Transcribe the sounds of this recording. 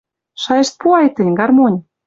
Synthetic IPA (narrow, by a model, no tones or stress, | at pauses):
ʃɑjɤ̆ʃt̪̚puɑjt̪ə̆nʲɡɑrmonʲ